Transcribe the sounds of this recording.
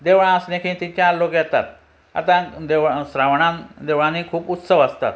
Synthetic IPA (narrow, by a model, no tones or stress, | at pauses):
d̪eʋɭãəsnẽkʰĩt̪iɲt͡ɕjãːlokjɛt̪at̪ | a̰t̪ãd̪eʋsɾaʋɳãnd̪eʋɭãnikʰuːput̪səʋəst̪a̰t̪